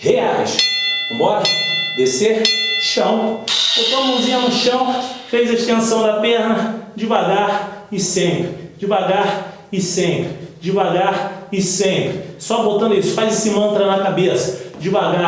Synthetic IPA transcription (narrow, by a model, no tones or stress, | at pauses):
heaɦɐʃmɔɾɐd̪eseɾʃɐ̃w̃bot̪oɐmõzĩɲɐnʊʃɐ̃w̃fejzɐiʃt̪ẽsɐ̃w̃d̪ɐpɛhnɐd͡ʒɪvaɡaɾɪsẽpɾɪd͡ʒɪvaɡaɾ | ɪsẽmpɾd͡ʒɪvaɡaɾɪsẽmpɾɪsɔbot̪ɐ̃nd̪ʊisʊ̥fajzsɪmɐ̃nt̪ɾɐnɐkabesɐ̥d͡ʒɪvaɡa